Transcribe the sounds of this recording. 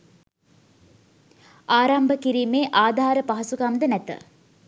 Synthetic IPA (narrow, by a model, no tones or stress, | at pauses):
aːɾambəkiɾiːmeːʔaːd̪ʱaːɾəpaɦɐsukamd̪ənɛt̪ə̰